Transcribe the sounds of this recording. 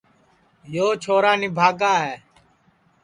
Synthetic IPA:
joːt͡ʃʰoːɾaːniːbʱaːɡaːɦɛː

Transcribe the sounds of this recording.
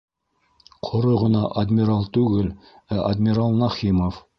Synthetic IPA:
qʰŏɾɤʁɤ̆nɑʔɐd̪ʲmʲiɾɑlˠt̪ʉɡɘl | æʔɐd̪ʲmʲiɾɑlˠnɑχimof

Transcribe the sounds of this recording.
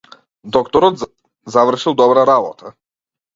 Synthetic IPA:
d̪ɔkt̪ɔɾɔ | zavɾʂɘwd̪ɔbɾaɾalɔ̰t̪ʰa

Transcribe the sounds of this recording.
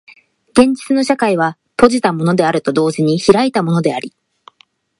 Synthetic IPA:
ɡẽ̞ɲ̟d͡ʑi̥t͡sɨno̞ɕakaiβ̞a | po̞ʑit̪amo̞no̞d̪e̞aɾɯ̟t̪o̞d̪o̞ːʑiɲ̟içiɾait̪amo̞no̞d̪e̞aɾʲi

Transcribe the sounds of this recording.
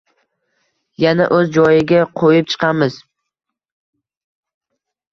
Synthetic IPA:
janaʔɵzd͡ʒɒjɪɡʲaqʰojɪp̚t͡ʃʰɨ̥qʰɑmɪz

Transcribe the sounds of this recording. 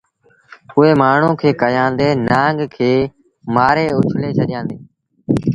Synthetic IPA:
ʊɦeːmaːɳ̤ũːkʰeːkəjãːnd̪eːnãːŋɡkʰeː | maːɾeːʊt͡ʃʰleːt͡ʃʰəɗɪjãːnd̪eː

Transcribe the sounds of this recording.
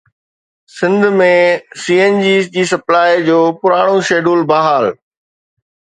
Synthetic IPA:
sɪ̃nd̪ʱmẽsiːend͡ʑiːsd͡ʑiːsɐplaːid͡ʑoːpʊɾaːɽ̃oʃeːɖuːlbaːɦaːl

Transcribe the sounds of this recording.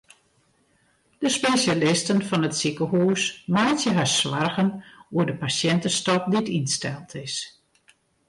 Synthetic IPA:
d̥əspesjalɪstənfɔnətsikəhuːsmajtjəɦasʋarɣənuədəpasjɛntəstɔp̚ditinstɛlˠtʰɪs

